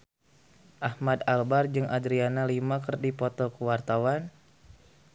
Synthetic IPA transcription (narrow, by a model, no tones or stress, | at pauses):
ʔahmad̪albard͡ʒɨŋʔadɾianalimakərdipɔt̪ɔkəwart̪awan